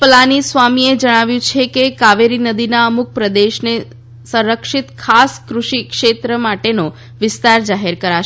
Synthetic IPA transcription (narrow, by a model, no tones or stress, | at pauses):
pəlanisʋamied͡ʒəɽ̃aʋjũt͡ʃʰekekaʋeɾinəd̪inaəmuk̚pɾəd̪eʃne | sə̃ɾəkʃɪt̪kʰaskɾuʃikʃet̪ɾəmaʈeno | ʋɪst̪aɾd͡ʒaɦeɾkəɾaʃ